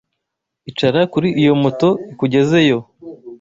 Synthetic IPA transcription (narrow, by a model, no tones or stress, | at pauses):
it͡ʃaɾakuɾiʔijo̞moto̞ikuɟe̞ze̞jo̞